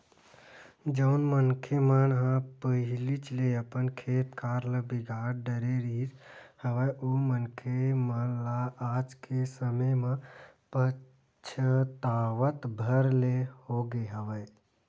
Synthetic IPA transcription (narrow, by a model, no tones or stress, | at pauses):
d͡ʒəʊnmənkʰemənɦãpəɦilit͡ʃʰleəpənkʰeːt̪kaɾləbiɡʱaɾɖəɾeɾi | həʋəjʔomənkʰemənlaad͡ʒkesəməjməpə | t͡ʃʰət̪aʋət̪bʱəɾlehoɡeɦəʋə